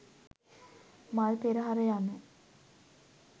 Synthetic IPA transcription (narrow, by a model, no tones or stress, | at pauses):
malpeɾəɦaɾejanːə